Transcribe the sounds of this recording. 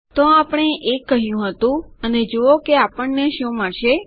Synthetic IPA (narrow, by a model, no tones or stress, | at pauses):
t̪oapəɽ̃eʔekːəɦjũɦət̪ũəned͡ʒookeapəɳːeʃũmaʃe